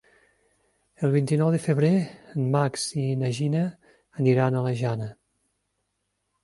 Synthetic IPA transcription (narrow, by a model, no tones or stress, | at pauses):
əlˠβint̪inɔwðəfəβɾenmaksinəʒinəː | niɾanələʒanə